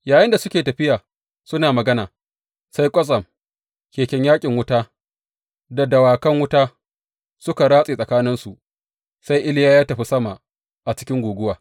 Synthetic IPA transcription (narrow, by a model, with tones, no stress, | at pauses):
jaː˨jɪ˦nda˨sʊ˦kʲeː˨tɐ˨ɸɪ˦jaː˨ | sʊ˦naː˨mɐ˨ɡɐ˦naː˨ | sa˦jkʷʼɐ˦sʼɐ˨m | kʲeː˨kʲɛ˦ɲjaː˦kʲʼɪ˨ŋwʊ˦taː˦ | da˨dɐ˨waː˨kɐ˦ŋwʊ˦taː˦ | sʊ˦ka˨ɽaː˦sʼeː˨sʼɐ˨kaː˦nɪ˦nsu˨ʔ | sa˦jʔɪ˦lɪ˦jaː˦jaː˦tɐ˨ɸi˦sɐ˦ma˨ | ʔa˨t͡ʃɪ̥˦kʲɪ˦ŋɡʷuː˨ɡʷʊ˦waː˨